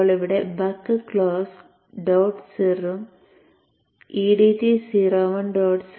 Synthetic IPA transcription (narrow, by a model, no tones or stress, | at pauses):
ɭiʋiɽebɐkːɨkɭoːs | ɖoːʈsirum | iːɖit̪isiɾoːʋɐnɖoːɖs